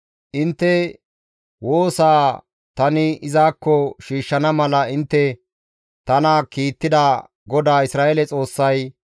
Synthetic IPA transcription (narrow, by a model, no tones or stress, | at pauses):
ʔɪnt̪ːɛ | woːsaː | t̪ɐnɪɪzaːkːɔʃiːʃːɐnɐmɐlɐɪnt̪ːɛ | t̪ɐnakiːt̪ːɪd̪a | ɡɔd̪aːɪsɾaːʔɛlɛt͡sʼo̞ːsːɐj